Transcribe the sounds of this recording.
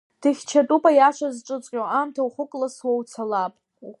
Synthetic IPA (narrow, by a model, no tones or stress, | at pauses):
d̥ɨχʲt͡ʃʰatʼupʼajaʂazʈ͡ʂʼɨt͡sʷʼqʲʼoʔamtʰauχʷʊkʼlaswawt͡sʰalapʼ